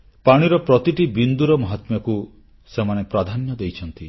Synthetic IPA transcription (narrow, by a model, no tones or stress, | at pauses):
paɽ̃iɾɔpɾɔt̪iʈibind̪uɾɔmɔɦɔt̪mjɔku | semanepɾad̪ʱanjɔd̪ejt͡ʃʰɔnt̪i